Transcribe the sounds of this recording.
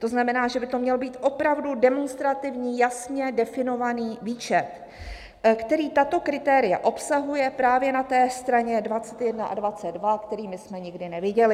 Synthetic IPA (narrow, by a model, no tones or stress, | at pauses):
t̪o̞znamɛnaːʒɛbɪt̪o̞mɲɛlobiːt̪ʔo̞pɾavdudɛmonst̪ɾat̪ɪvɲiːjasɲɛdɛfɪno̞vaniːviːt͡ʃɛt̪ | kt̪ɛɾiːt̪at̪o̞kɾɪt̪ɛːɾɪja̰ʔo̞psaɦujɛpɾaːvjɛnat̪ɛːst̪ɾaɲɛdvat͡sɛt̪jɛdnaʔa̰dvat͡sɛdvakt̪ɛɾiːmɪsmɛɲɪɡdɪnɛvɪɟɛlɪ